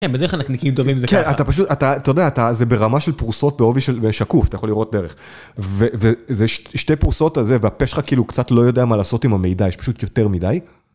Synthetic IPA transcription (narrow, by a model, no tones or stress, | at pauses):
kenbedeklanaknikimt̪ovimzeknattapaʃutat̪aːt̪ajodeaːt̪azebeʁamaʃelpuʁso̞t̚beo̞viʃelbeʃakufat̪ajaχoliʁo̞t̚d̪e̞ʁeχ | vevezeʃtʃte̞jpuʁso̞tazeveapeʃχakiiːlukt͡satlo̞jo̞deamalaːso̞timame̞jdajeʃpḁʃut̪jo̞te̞ʁmidaj